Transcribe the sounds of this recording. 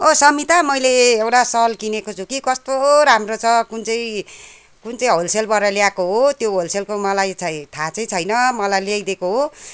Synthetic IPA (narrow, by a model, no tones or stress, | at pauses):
osʌmit̪amʌjleewʈasʌlkinekot͡sʰukikʌst̪oɾamrot͡sʰʌkunt͡sʌj̃ | kunt͡sʌĩɦolselbʌɾʌljakoɦot̪joɦolselkomʌlajt͡sʰʌt̪ʰat͡sʌjt͡sʰʌjnʌmʌlajlejd̪ekoɦo